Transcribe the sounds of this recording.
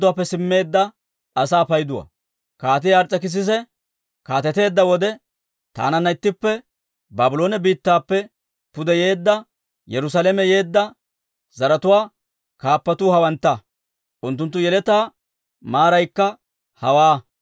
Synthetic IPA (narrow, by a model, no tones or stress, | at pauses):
ʊwaːpːɛsɪmːe̞ːd̪ːɐ | ɐsaːpɐjd̪ʊwa̰ | kaːt̪̬ɪjaːɾt͡sʼːɐkɪs̬ɪs̬ɛ | kaːt̪ɛt̪e̞ːd̪ːɐwɔd̪ɛ | t̪a̰ːnɐnːɐɪt̪ːɪpːɛ | baːbʊlo̞ːnɛbiːt̪ːaːpːɛ | pʊd̪ɛje̞ːd̪ːɐ | jɛɾʊs̬alɛmɛje̞ːd̪ːɐ | zɐɾɐt̪ʊwaː | kaːpːɐt̪uːhɐwɐnt̪ːɐ | ʔʊnt̪ːʊnt̪ːʊjɛlɛt̪aː | maːɾɐjkːɐ | hɐwaː